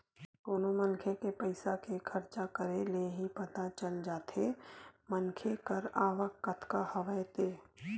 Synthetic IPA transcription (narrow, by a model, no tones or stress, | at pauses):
k̪oːnomənkʰekepəɪsakekʰɐɾt͡ʃakəɾeleɦipɐt̪at͡ʃəld͡ʒaːt̪ʰemənkʰekəɾaːʋəkːət̪ʰkahəʋəjt̪eː